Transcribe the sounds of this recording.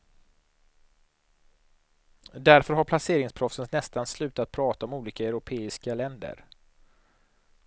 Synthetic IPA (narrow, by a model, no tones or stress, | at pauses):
d̪æɾfœɾɦaɾpʰlaseːɾɪŋspʰɾɔfsənnːɛst̪anslʉ̟ːt̪at̪̚pʰɾɑːt̪aɔmuːliːkaɛɾʊpʰeːɪskalɛnd̪ə̰ɾ